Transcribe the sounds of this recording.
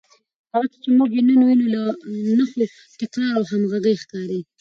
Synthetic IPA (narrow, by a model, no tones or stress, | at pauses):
haɣat͡sət͡ʃemuɡenənwinulanaxo | t̪ɪkɾɑɾawɦamɣaɡəjxkɑɾi